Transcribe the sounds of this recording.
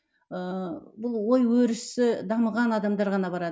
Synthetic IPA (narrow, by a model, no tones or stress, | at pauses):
əbʊlˠwo̞jwɵɾɪsɪd̪ɑməʁɑnɑd̪ɑmd̪ɑɾʁɑnɑbɑɾɑd̪ə